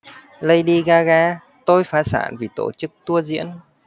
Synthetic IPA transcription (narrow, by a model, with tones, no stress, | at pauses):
lə˧jɗi˧ɣaː˧ɣaː˧ | t̪o˧jfaː˨˦sa̰ː˧˩nvi˨˩t̪o̰˧˩t͡ɕɨ˦˥k̚t̪u˧əzḭ˧˥ən